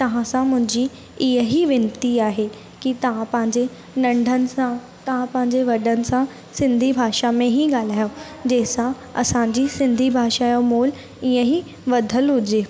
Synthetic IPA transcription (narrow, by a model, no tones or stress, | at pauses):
t̪əɦãːsãːmʊ̃ɲd͡ʒiː | ɪə̃ɦiːʋɪnt̪iːaːɦeː | kit̪ãpãːɲd͡ʒeː | nə̃ɳɖʱənsãː | t̪ãːpãːɲd͡ʒeːʋəɖənsãː | sɪ̃nd̪ʱiːbʱaːʃaːmẽːɦiːɡəlaːjoː | d͡ʒeːsã | ə̰sãːd͡ʒiːsɪ̃nd̪ʱiːbʱaːʃaːjoːmoːl | ɪə̃ɦiː | ʋəd̪ʱəlɦʊd͡ʒeː